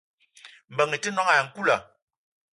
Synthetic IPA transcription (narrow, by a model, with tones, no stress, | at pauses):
m̩˨bə˨ŋi˨ti˦nɔ˦ŋa˨ŋ̩˨ku˦la˨